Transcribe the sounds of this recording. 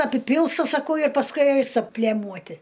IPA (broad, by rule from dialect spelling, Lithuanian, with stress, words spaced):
ɐpʲɪˈpʲɪlˠstɐ sɐˈkɐʊ ɪr pɐsˈkʊɪ ˈɐɪstɐ ˈpʲlʲeːmuɔtʲɪ